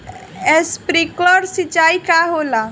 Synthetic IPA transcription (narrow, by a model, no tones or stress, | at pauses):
espɾikləɾsit͡ʃaikaɦola